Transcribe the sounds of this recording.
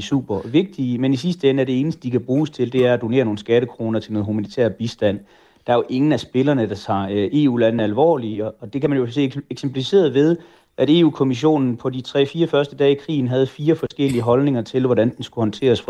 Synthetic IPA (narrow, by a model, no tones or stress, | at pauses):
sṵb̥ɐʋe̝ɡ̥̚d̥iəmenisisd̥əenəæɐde̝e̝ːnəsd̥əd̥ikʰæb̥ʁuːst͡sʰe̝ld̥e̝æɐæd̥o̝ne̝̰ːɐno̝ːn̩sɡ̥æɾəkʰʁo̝ːnɐt͡sʰe̝lnɔ̽ːð̩ˠɦumænit͡sʰḛɐb̥isd̥æn̰ | d̥ɑ̈æɐjoʔe̝ŋn̩æsb̥e̝lɐnəd̥ɑ̈t͡sʰɑ̈ʔe̝ːṵːlæn̩ælʋɒ̰ːliɒ̽ɒ̽d̥e̝kʰæmænjose̝̰ːeɡ̥sempʰlifise̝̰ːɐðˠʋe̝ð̞ˠ | ʔæɾe̝̰ːṵːkʰo̝miɕ̬o̝̰ːnn̩pʰɒ̽dit͡sʰʁɛ̰fiːɐfɶɐsd̥əd̥ɛ̰ːikʰʁḭːn̩ɦæð̞̩ˠfiːɐfɒ̽sɡ̥el̰iəɦɒ̽lne̝ŋɐt͡sʰe̝lʋɒɾænd̥ensɡ̥uhɒ̽nt͡sʰe̝̰ːɐsf